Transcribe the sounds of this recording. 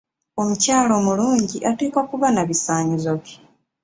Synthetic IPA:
o̞mucaːlo̞ːmuluːɲɟiʔateːkokuβanaβisaːɲizo̞βi

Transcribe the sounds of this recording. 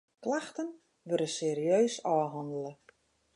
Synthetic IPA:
klaxtən | ʋøɾəseːɾiøːsɔːɦɔndələ

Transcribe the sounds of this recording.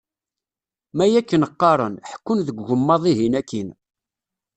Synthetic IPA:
mæjækːənəqːɑɾˤənħkːʊnðəɡːəmːɑðˤiɦinækːin

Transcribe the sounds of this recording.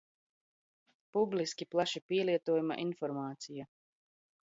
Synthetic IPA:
publiskʲiplˠaʃipiɛliɛt̪uɔːjuma̰ʔinfɔɾmaːt̪sija

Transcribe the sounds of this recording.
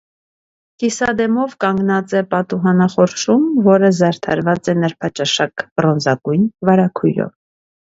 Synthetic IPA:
kisɑd̪ɛmɔvkɑŋɡnɑt͡sɛpɑt̪uɦɑnɑχɔɾʃumvɔɾəzɑɾt̪ʰɑ̰ɾvɑt͡sɛnəɾpʰɑt͡ʃɑʃɑkb̥ɾɔnzɑɡujnvɑɾɑkʰujɾɔ̰v

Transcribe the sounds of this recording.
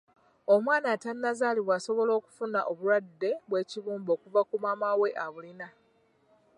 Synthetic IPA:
o̞mwaːnaːtanːazaːliβwaːso̞βo̞lo̞ːku̥funaʔoβuɾadːe̞βwe̞ːciβuːmbo̞ːkuvakumaːmawe̞ʔaβulina

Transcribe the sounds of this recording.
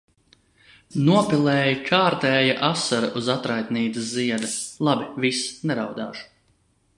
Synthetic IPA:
nuɔpilˠɛːjikʰaːɾt̪ɛːjaʔasaɾaʔuzat̪ɾajt̪niːt̪ɨsziɛd̪ɐlˠabivisnɛɾawd̪a̰ːʒu̥

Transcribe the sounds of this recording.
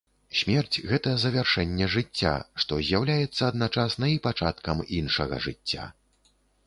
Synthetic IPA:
sʲmʲɛrt͡sʲɣɛt̪ɐzɐvʲarʂɛnʲːɛʐɨt͡sʲːa̰ʂt̪ɔzʲjawlʲajɛt̪sːɐːd̪nat͡ʂasnɐipat͡ʂat̪kɐminʂɐɣɐ̰ʐɨt͡sʲːa̰

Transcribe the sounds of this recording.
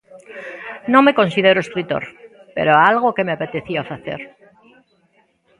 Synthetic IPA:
nõme̞kõ̞nsiðeɾoeskɾit̪o̞̰ɾ | pḛɾoalɣokemeapet̪eθiafaθe̞̰ɾ

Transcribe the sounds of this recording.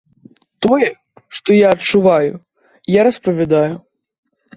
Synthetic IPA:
t̪ɔjɛ | ʂt̪ɔjaɐːt̪t͡ʂuvajṵ | jaɾɐspɐvʲad̪aju

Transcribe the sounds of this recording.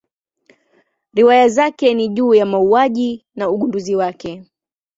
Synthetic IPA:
ɾiwajazakɛniʄuːjamauaʄinauɠunduziwakɛ

